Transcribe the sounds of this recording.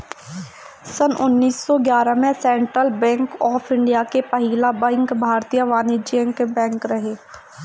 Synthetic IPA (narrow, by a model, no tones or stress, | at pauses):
sənʔʊnːiːsːɔɡjaːɾamẽsɛ̃ːɳʈɾəlbɛ̃ːŋkɔːpʰɪ̃ɳɖijakepəɦiːlabɛ̃ŋkbʱaːɾt̪ijəʋaːnid͡ʒiə̃ŋkebɛ̃ːŋkɾɐɦeː